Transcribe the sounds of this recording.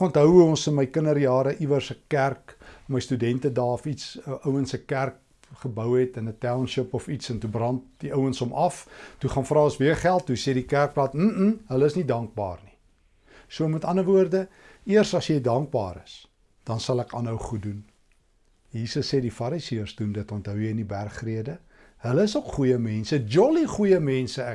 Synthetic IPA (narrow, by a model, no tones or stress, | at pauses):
kɔntɦəwuɔnsənməjkənərjɑːɾəʔivərsəkærkməjstydɛntədɑːɔfitsəʔəwənsəkærk̚ | χəbəwɦɛtənətæwnʃəpɔfitsəntubrɐndiʔəwənsɔmɐftuχɑnfrɑːəsviərχælˠt̚ːusɛdikærk̚plɐtm̩m̩ɦələəsnidɐŋk̚bɑ̰ːrni̥ | suəmətɐnəvuərdə | iərsɐsjəjdɐŋk̚bɑ̰ːɾə̰s | d̥ɐnsɐlækɑnɦəwχut̚dun | jiːsəsːɛdifɐɾisiərsdundətɔntɦœwjəjənibærχriədə | hələəsokχujəmɛnsəd͡ʒɔliχujəmɛnsəæ